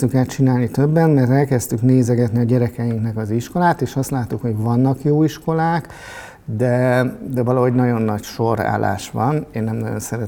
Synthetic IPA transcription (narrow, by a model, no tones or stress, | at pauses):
t̪ykaːt̪t͡ʃinaːlnit̪øbːɛnmɛrt̪ɛlkɛst̪ykneːzɛɡɛt̪niɒɟɛɾɛkɛjiŋknɛkɒziʃko̞laːt̪eːʃɒst̪laːt̪ːukho̞ɟvɒnːɒkjoːiʃko̞laːk | d̪ɛd̪ɛvɒlɒɦo̞ɟnɒɟo̞nːɒcʃo̞ɾa̰ːlːa̰ːʃʋɒneːnːɛmnɒɟo̞̰nsɛɾɛ